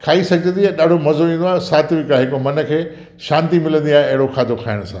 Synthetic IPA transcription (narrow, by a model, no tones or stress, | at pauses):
kʰaːisɐɡʱd͡ʑə̃nd̪iɐɗaːɖʱomɐzoʋĩːn̆d̪oaːesaːt̪ʰʋikaɦɪkomɐnə̆kʰeː | ʃãːnt̪imɪlə̃nd̪iaːẽɐɦɪɽokʰaːd̪ʱokʰaːɪɽ̃sãː